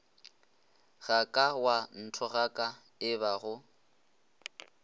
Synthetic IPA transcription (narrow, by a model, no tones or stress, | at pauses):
ɣakʼawan̩tʰɔɣakʼa | ɪβaɣʊ